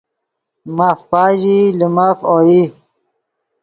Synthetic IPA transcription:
mafpaːʑilimafoːi

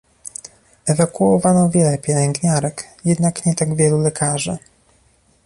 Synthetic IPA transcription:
ɛvakuɔvanɔvʲjɛlɛpʲjɛlɛŋɡɲaɾɛkjɛd̪nakɲɛt̪aɡvʲjɛlulɛkʰaʐɘ̰

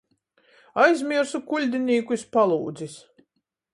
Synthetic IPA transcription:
ajzʲmʲiɾsukulʲd̪ʲinʲiːkuspalˠuːd̪zis

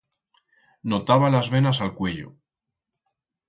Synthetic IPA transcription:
no̞t̪aβalazβe̞nasalkwe̞ʎo̰

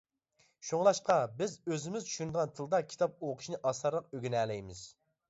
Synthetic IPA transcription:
ʃuŋlˠɑʃqɑbɪzøzɪmɪzt͡ʃʰy̥ʃynd̪əʁɑnt̪ʰɨlˠd̪ɑkʲʰi̥t̪ʰɑp̚oqʰʊ̥ʃnɨʔɑsɑɾlˠəq̚øɡʲynɛːlɛjmɪz̥

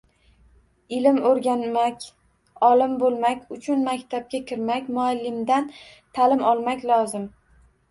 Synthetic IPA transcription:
ɪlɪmoɾɡʲanmakʲ | ɒlɪmbolˠmakʲʊt͡ʃʰʊnmakʲt̪ʰab̚ɡʲakʲʰɪɾmakʲmʊalːɪmd̪an | t̪ʰalɪmɒlˠmakʲlɒzɪm

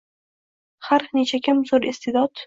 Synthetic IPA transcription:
haɾnet͡ʃʰakʲʰɪmzoɾɪst̪ʰɪd̪ɒd̪

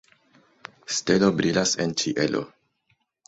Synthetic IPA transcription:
ste̞lo̞bɾilasent͡ʃiʔe̞lʔo̰

